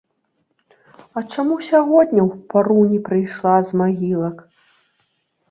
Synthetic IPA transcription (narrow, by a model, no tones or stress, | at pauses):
ɐt͡ʂamusʲaɣɔd̪ʲnʲɐwpaɾunʲipɾɨjʂlˠazmaɣʲilˠɐk